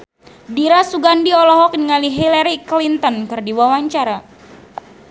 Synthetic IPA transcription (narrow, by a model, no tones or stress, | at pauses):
diɾasuɡandiɔlɔɦɔk̚niŋaliɦilaɾiklint̪ɔnkɨrdiwawaɲt͡ʃaɾa